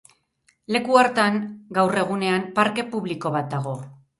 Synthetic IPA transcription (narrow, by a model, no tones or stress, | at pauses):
le̞kuaɾt̪aŋɡawre̞ɣ̞une̞ampaɾke̞puβliko̞β̞at̪̚d̪aɣ̞o̞